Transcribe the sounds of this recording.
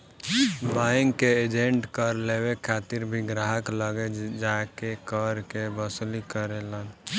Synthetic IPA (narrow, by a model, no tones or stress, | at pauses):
baiŋeed͡ʒeɳɖkəɾlewekʰat̪iɾbʱiɡɾaɦəkləɡed͡ʒakekəɾkebəslikəɾelən